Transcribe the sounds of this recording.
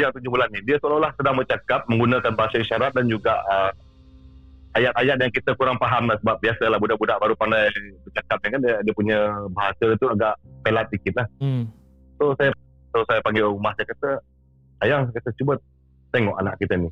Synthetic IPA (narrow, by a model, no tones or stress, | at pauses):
ajaŋt̪uɲd͡ʒubulanːidiəsoalolahsədaŋbət͡ʃakap̚mə̃ŋɡunəkanbaɦasaiʃaɾat̪̚dand͡ʒuɡaʔə | ajat̪̚ajat̪̚jaŋkit̪əkuɾaŋpaɦamlahsəbap̚biasəlahbudaʔbudaʔbaɾupandajbərt͡ʃakap̚nikanddiəpuɲəbaɦasədənt̪uaɡaʔpelat̪̚dikɪt̪̚lah | sosaja | sosajapaŋɡeumahsajakat̪ə | ajaŋsakat̪ət͡ʃubət̪̚ | t̪eŋɔʔanaʔkit̪əni